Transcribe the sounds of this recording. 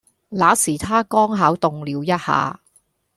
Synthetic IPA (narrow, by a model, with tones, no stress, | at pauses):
laː˨˧˥siː˨˩t̪ʰaː˥kɔː˥ŋɦa˨˥wt̪ʊ˨ŋliː˨˧wjɐ˥t̚ha̰ː˨˧